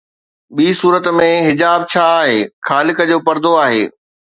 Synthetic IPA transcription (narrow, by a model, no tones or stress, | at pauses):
ɓiːsuːɾət̪mẽɦɪd͡ʑaːb̚t͡ɕʰaːɦeːxaːlɪkəd͡ʑoːpɐɾd̪oaːɦeː